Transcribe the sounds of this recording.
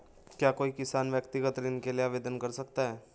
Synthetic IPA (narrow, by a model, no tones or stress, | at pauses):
kjaːkoːikɪsaːnʋjəkt̪ɪɡət̪ɾɪnkeliaːʋeːd̪ənkɐɾsɐk̚t̪aɦɛː